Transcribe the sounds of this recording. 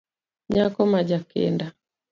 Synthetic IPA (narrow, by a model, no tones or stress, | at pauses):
ɲakɔmad͡ʒakɛ̰nda